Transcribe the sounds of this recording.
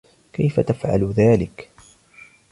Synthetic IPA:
kajfat̪afʕa̰lðaːlɪk

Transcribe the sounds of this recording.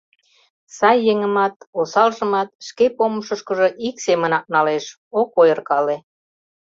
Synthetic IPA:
sɑjːeŋə̆mɑt̪osɑlʒə̆mɑt̪̚ʃkepoməʃə̆ʃkə̆ʒɤʔiksemə̆nɑk̚nɑleʃ | okojərkɑle

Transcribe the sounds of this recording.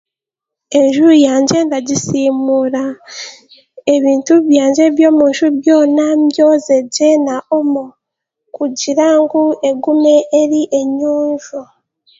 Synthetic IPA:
e̞ɲʒuɾujaːɲɟe̞ːndaɟisiːmuɾa | e̞βiːntuβjaːɲɟe̞βjo̞ːmuʃuβjo̞ːnamjoze̞ɟenaomo | kuɟiɾaŋɡue̞ɡumeeɾiʔe̞ɲuːɲʒu

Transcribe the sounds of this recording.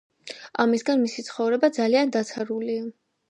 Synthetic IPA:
amisɡanmisit̪sʰχɔvɾɛbad̪zaliand̪at̪sʰaɾulia

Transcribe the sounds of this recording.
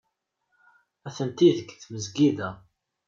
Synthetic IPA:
æθənt̪iðəkːθməzɡiðæ

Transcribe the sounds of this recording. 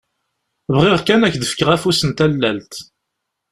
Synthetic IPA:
vʁiʁkænæçd̪əfə̥kəʁæfusənt̪ælːælt̪

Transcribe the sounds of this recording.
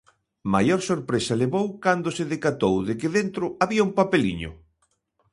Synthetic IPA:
majoɾsoɾpɾesɐleβowkand̪osɪðekat̪owðɪkɪðent̪ɾʊaβiɐumpapelḭɲʊ̰

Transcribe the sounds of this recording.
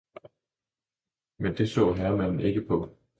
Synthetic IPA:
mend̥e̝sɔ̰̽ːɦæɐmæn̰n̩e̝ɡ̥əpʰɒ̽

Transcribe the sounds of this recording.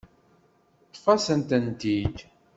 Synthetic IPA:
t̪ˤːfæsənt̪ənt̪id̪

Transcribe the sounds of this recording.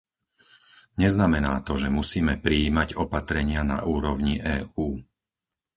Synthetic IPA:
ɲɛznamɛnaːt̪ɔʒɛmusiːmɛpɾiiːmaɟɔpat̪ɾɛɲɪana̰ʔuːɾɔʊɲiʔɛːuː

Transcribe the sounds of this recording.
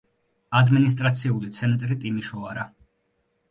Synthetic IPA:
ad̪minis̬t̪ʼɾat̪sʰiulit̪sʰɛnat̪ʼɾit̪ʼimiʃɔaɾa

